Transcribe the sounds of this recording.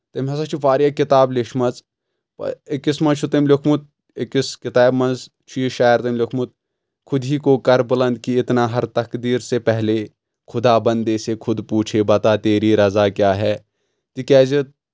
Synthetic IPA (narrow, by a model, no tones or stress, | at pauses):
t̪ɐmɦɐs̬at͡ʃʰufaːɾijaːkɪt̪aːblɪʃmɐz | pɐ̰ekɪsmɐt͡ʃʰut̪emlʊkʰmʊt̪̚ | ekɪskɪt̪aːbmɐ̃nz | t͡ʃʰuiʃaːjəɾt̪ɐmlʊkʰmʊt̪̚ | kʰʊd̪ɦiːkokɐɾbɪlɐ̃nd̪̚kiɪt̪naːɦɐɾt̪ɐkd̪iːɾsepɛɦle | kʰʊd̪aːbɐ̃nd̪esekʰʊd̪puːt͡ʃʰebɐt̪aːt̪eːɾiɾɐzaːkjaːɦɛː | t̪ikɛːzit̪̚